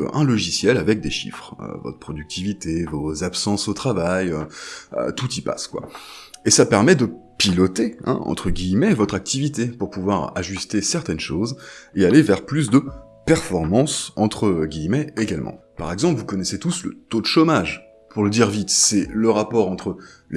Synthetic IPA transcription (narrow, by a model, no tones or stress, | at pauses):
ɛ̰̃lɔʒisjɛlavɛk̚d̪eʃḭfχø̰vɔ̰t̪χəpχɔd̪yk̚t̪ʰivit̪evozapsɑ̃sot̪χavajøø̰t̪ut̪ipa̰skwa̰esapɛʁmɛd̪əpilɔt̪eɛ̰̃ɑ̰̃t̪χəɡʲijmɛvɔt̪χak̚t̪ivit̪epuʁpuvwaʁaʒyst̪esɛʁt̪ɛnʃozealevɛʁplys̬d̪ə | pɛʁfɔʁmɑ̃sɑ̃t̪χəɡʲijmɛeɡalmɑ̰̃paʁɛɡzɑ̃plvukɔnɛset̪uslə̰t̪od̪əʃomaʒ | pʰuʁləd̪iʁvit̪sɛləʁapɔʁɑ̃t̪χəl